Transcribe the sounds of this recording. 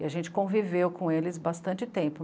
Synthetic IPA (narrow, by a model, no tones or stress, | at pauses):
ɪaʒẽnt͡ʃɪ̥kõvivewkõelɪzbast̪ɐ̃nt͡ʃɪt̪ẽmpʊ